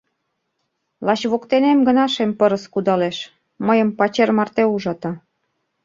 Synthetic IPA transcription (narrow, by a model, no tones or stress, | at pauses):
lɑt͡ɕβokt̪enemɡə̆nɑʃempɤ̆ɾə̆skud̪ɑleʃ | məjə̆mpɑt͡ɕermɑrt̪euʒɑt̪ɑ